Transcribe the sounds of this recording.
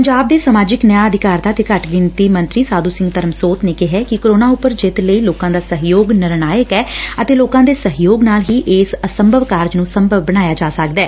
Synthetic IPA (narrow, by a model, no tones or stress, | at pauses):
pəɲd͡ʒaːb̚d̪eːsəmaːd͡ʒɪknəjaːəd̪ʱɪkaːɾd̪aːt̪eːkəʈɡɪnt̪iːmə̃nt̪ɾiːsaːd̪uːsɪ̃ŋɡt̪əɾəmsoːt̪neːkɪɦɛːkɪkoɾoːnaːʊpəɾd͡ʒɪt̪ləiːloːkãːd̪aːsəɦjoːɡnɪɾɳaːjəkɛːət̪eːloːkãːd̪eːsəɦjoːɡnaːlɦiːʔɪsəsəmbʱəʋkaːɾd͡ʒnũːsəmbʱəʋbəɽaːjaːd͡ʒaːsəkd̪ɛː